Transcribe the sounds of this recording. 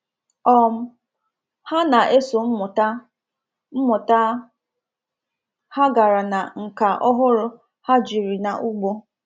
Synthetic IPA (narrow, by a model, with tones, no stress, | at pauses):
ɔ˦m̩˦ | ha˦na˨ʔe˦so˨m̩˦mʊ˨ta˦ | m̩˦mʊ˨ta˦ | ha˦ɡa˨ɾa˨na̰˨ŋ̩˨ka˨ʔɔ˦ɦʊ˦ɾʊ˦ | ha˦d͡ʒi˨ɾi˨na˨ʔu˦ɡ͡bo˦